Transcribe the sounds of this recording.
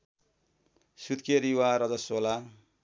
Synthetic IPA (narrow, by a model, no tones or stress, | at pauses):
sut̪keɾiwaɾʌd͡zʌsola